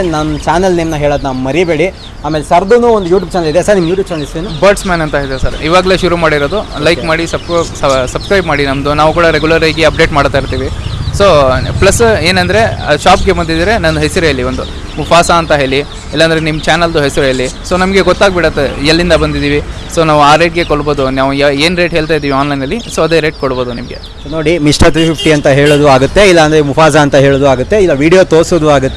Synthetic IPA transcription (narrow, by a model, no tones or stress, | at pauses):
nɐnːt͡ʃaːnɐlnimnɐɦeːɭoːd̪naːʋmɐɾibeːɽi | aːmeːlesɐɾd̪unuːond̪ujuːʈʲjuːb̚t͡ʃaːnɐlid̪esaɾnimːjuːʈjuːbt͡ʃaːnɐlisʋinubɐɾʈsmaːnɐnt̪ɐɦed̪esɐɾiːʋaːɡɐle̞ːʃuɾumaːɽiɾod̪ulɐjkmaːɽisɐbssɐbskɾɐjbmaːɽinɐmd̪unaːʋukuːɽɐɾeɡulɐɾaːɡiɐp̚ɖeːʈmaːɽt̪aːjiɾt̪iːʋisoːplɐsːe̞ːnɐnd̪ɐɾe̞ʃaːpɡe̞bɐnd̪id̪iɾenɐnd̪uɦesiɾuɐlːiond̪u | mufʰaːsaːnt̪ɐɦe̞ːɭi | ilːɐːnd̪ɐɾenimːɐt͡ʃaːnɐld̪uɦesiɾuɐlːiso̞ːnɐmɐɡe̞ɡɔt̪ːaːɡ̚beɽɐt̪ːeɐlːind̪ɐbɐnd̪id̪iːʋi | so̞ːnaːʋuaːɾeːʈɡe̞koɽbo̞ːd̪unaːʋueːnɾeːʈɦeːɭt̪ajid̪iʋiaːnlɐjnɐlːisoːɐd̪eɾeːʈ̚koɽbo̞ːd̪unimɐɡe̞̰ | sonoːɽimisʈɐɾt̪ɾipip̚ʰʈiɐnt̪ɐɦeːɭoːd̪uaːɡut̪ːeilːɐːnd̪ɐɾemupaːsaːnt̪ɐɦeːɭoːd̪uaːɡut̪ːe̞ilːɐʋiːɽijot̪oːsoːd̪uaːɡut̪ːe